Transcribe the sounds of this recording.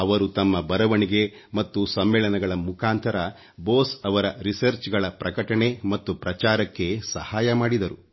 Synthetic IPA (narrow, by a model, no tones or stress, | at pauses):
ɐʋɐɾut̪ɐmːɐbɐɾɐʋɐɳiɡe̞mɐt̪ːusɐmːɛːɭɐnɐɡɐɭɐmukʰaːnt̪ʰɐɾɐ | boːsɐʋɐɾɐɾisɐɾt͡ʃɡɐɭɐpɾɐkɐʈɐɳe̞mɐt̪ːupɾɐt͡ʃaːɾɐkːe̞sɐ̰haːjɐmaːɽid̪ɐɾu